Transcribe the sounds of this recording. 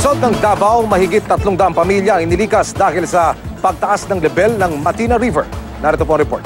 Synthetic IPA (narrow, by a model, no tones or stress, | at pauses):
sod̪̚nɐŋd̪aːbɐwmɐhɪɡɪt̪ːɐt̪loŋd̪ɐamŋpɐmiljɐɐŋɪnɪliːkɐsd̪aːhɪlsɐpɐɡ̚t̪ɐʔasnɐŋlɛbɛlnɐŋmɐt̪inɐɾivɛɹ | naːɾɛt̪opoɐŋɾɛpo̰ɹt̪